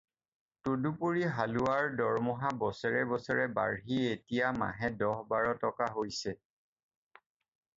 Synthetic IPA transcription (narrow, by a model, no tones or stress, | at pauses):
todupoɹiɦaluaɹdɔɹmɔɦabɔsɔɹɛbɔsɔɹɛba̰ɹɦietijama̰ɦɛdɔɦbaɹɔtɔkaɦojsɛ